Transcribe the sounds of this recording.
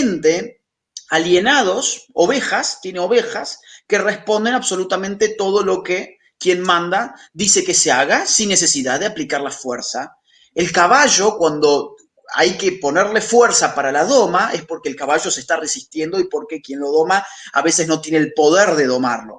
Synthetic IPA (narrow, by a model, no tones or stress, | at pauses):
nt̪e | aljenað̞o̞soβexast̪jeneo̞βexaske̞respo̞nd̪e̞naβso̞lut̪amẽnt̪et̪o̞ð̞o̞lo̞ke | kje̞nmãnd̪a | ðise̞ke̞seaɣasinːe̞s̬e̞siðaððeaplikaɾlafweɾsa | elkaβaʒo̞kwand̪o̞ | a̰jkepo̞neɾle̞fweɾsapaɾalaðo̞maʔespo̞ɾkeːlkaβaʒo̞sest̪aresist̪jend̪o̞ipo̞ɾke̞kje̞nlo̞ðo̞maa̰βe̞sezno̞t̪jenelpo̞ð̞eɾðe̞ðo̞ma̰ɾlo̞̰